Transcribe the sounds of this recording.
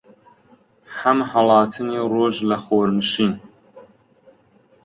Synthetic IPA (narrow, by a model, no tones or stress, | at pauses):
hɐmhɐlˠɑːt̪ʰɨniːroːʒlɐxoːɾmɨʃiːn